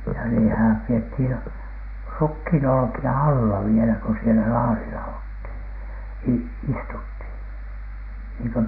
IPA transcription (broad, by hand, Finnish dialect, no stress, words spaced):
jɑ niːtæhæm piethin rukhiˑnolŏkiɑ ɑlːɑ ʋielæ ko sielæ lɑːrilɑ olthiˑn i istuthiˑn niːŋkø